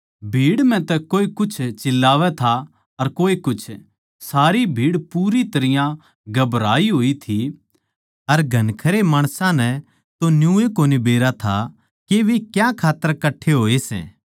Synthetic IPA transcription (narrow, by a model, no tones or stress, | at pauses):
bʱiːɽm̤ɛ̃t̪ɛkoːekʊt͡ʃʰt͡ʃɪlːaːʋɛt̪ʰa | ɐɾkoːekʊt͡ʃʰ | saːɾibʱiːɽpuːɾit̪ɐɾɪjã | ɡɐbɾaːiɦoːit̪ʰi | ɐɾɡʱɐnkʰɐɾemaːɽ̃sãnɛ | t̪onjũːekoːnibeːɾat̪ʰa | keʋekjãkʰaːt̪ːəɾkɐʈʰːeɦoːesɛ̰̃ː